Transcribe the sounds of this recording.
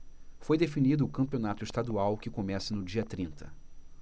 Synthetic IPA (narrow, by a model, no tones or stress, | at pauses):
fojd̪efinid̪ʊːkɐ̃mpionat̪ʊɪʃt̪ad̪uawkɪkomɛsɐnʊd͡ʒiɐt̪ɾĩnt̪ɐ